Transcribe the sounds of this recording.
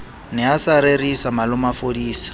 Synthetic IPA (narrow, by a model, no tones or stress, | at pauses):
nɪasaɾerisamalʊmafodiːsḁ